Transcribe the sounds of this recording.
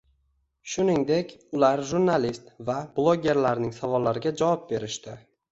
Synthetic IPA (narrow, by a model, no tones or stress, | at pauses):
ʃʊnɪŋd̪e̞kʲʊlaɾʒuɾnalist̪vablˠoɡʲe̞ɾlaɾnɪŋsavɒlːaɾɪɡʲad͡ʒavɒp̚be̞ɾɪʃt̪ɪ